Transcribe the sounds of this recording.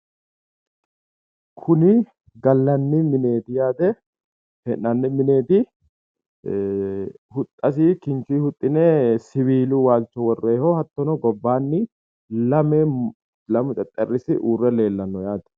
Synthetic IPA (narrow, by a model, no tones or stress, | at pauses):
kʰʊnɪ | ɡɐlːɐnːɪmɪne̞ːt̪ɪjaːd̪ɛ | hɛnːɐnːɪmɪne̞ːt̪ɪ | hʊt̪ʼːɐs̬iːkɪnt͡ʃiːhʊt̪ʼːɪnesɪβiːlʊwaːlt͡ʃːɔwɔrːeːhɔhɐt̪ːɔnɔɡɔbːaːnːɪ | lɐmɛ | lɐmʊt̪ʼɛt̪ʼːɛrːɪsɪʔuːrːɛle̞ːlːɐnːɔjaːd̪ɛ̥